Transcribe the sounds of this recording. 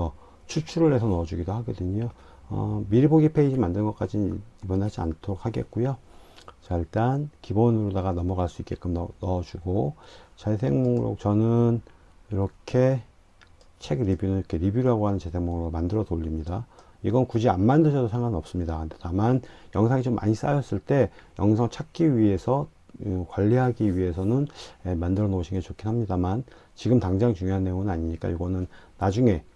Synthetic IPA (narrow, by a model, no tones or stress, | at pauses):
ʌ | t͡ɕʰut͡ɕʰuɾɯɭhe̞sʰʌnʌd͡ʑuɡidohaɡidɯɲjo | ʌ̰miɾiboɡipʰe̞id͡ʑimandɯnŋɡʌk͈ad͡ʑinibʌnɭhad͡ʑia̰ntʰoɾok̚haɡe̞̰t̚k͈ujot͡ɕaiɭt͈ankibonɯɾodaɣanʌmʌɡaɭs͈uik͈ːe̞k͈ɯmnʌd͡ʑuɡot͡ɕes̬ʰe̞ŋmoŋɾo̰t͡ɕʌnɯn | iɾʌkʰe̞ | t͡ɕʰe̞ɡɾibjunɯiɾkʰe̞ɾibjuɾɦaɡoɦanɯnt͡ɕesʰeŋmoŋɡomandɯɾʌdoʎːimɲida | iɡʌnnkud͡ʑianmandɯɕʰʌdosʰeŋɡanɯnʌp̚s͈ɯmɲidakɯtetamanjʌŋsʰaŋit͡ɕomːa̰ɲis͈ajʌs͈ɯɭt͈e̞jʌŋsʰʌŋt͡ɕʰak͈ʰiɥie̞sʰʌ | kwaʎːiɦaɡiɥie̞sʰʌnɯnemandɯɾʌnoɕʰinɡet͡ɕokʰinɦamɲidaman | t͡ɕiɡɯmtaŋd͡ʑaŋt͡ɕuŋjoɦanːe̞joŋɯnaɲimɲik͈a̰iɡʌnɯnː | ad͡ʑuŋe̞